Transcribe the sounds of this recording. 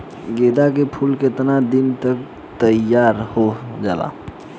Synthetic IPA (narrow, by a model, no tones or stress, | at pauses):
ɡed̪akepʰulket̪nad̪int̪ək | t̪əjaɾhod͡ʒaːla̰